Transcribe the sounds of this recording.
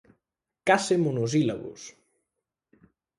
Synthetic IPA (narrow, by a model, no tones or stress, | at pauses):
kasemonoz̬ila̰ɣʊ̰s